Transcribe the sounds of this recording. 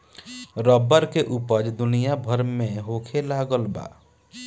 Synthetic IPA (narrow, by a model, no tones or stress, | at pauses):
ɾəbəɾkeʔupəd͡ʒd̪ʊnijabʱəɾmẽɦoːkʰelaːɡəlba̰ː